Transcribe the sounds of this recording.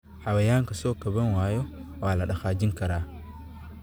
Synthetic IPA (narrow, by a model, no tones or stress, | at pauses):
ħɑwɐjaːŋkɐsɔːkɐβɐnwaːjɔwaːlɐɗɐxaːd͡ʒɪŋkʰɐɾaː